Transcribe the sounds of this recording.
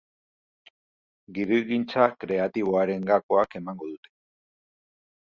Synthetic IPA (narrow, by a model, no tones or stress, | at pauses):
ɡiɾiɣint͡sakɾe̞at̪iβ̞o̞aɾe̞ŋɡako̞ake̞maŋɡo̞ðut̪e̥